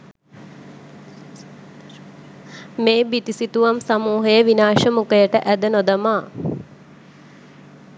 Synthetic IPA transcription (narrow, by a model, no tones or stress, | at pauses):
meːbit̪isit̪uʋamsamuːɦəjəʋinaːʃəmukəjəʈəʔæd̪ənod̪əmaː